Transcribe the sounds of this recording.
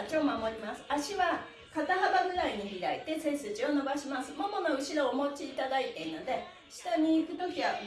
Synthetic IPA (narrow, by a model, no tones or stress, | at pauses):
t͡ɕiomamo̞ɾʲimasɨ̥aɕiβa | kat̪aɦabaɡɯ̟ɾaiɲ̟içiɾait̪e̞se̞sɨt͡ɕio̞no̞baɕimasɨmomo̞no̞ɯ̟ɕiɾo̞omo̞t͡ɕiːt̪ad̪ait̪e̞̟no̞d̪e̞ | ɕi̥t̪aɲ̟iːkɯ̟t̪o̞kʲiβa